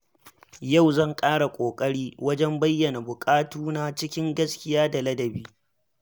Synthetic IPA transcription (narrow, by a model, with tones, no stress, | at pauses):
ja˦˨wzɐ˦˨ŋkʼaː˦ɽa˨kʷʼoː˨kʼɐ˦ɽiː˦wɐ˦d͡ʒɛ˦mbɐ˦jːɐ˨na˨bʊ˨kʼaː˦tuː˦na˦t͡ʃɪ˦kʲɪ˦ŋɡɐ˦skʲɪ˦jaː˦da˨lɐ˦dɐ˨biː˦